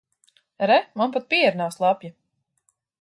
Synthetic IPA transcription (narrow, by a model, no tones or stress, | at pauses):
ɾɛmanpat̪̚pʲijɛɾnaːslˠapʲja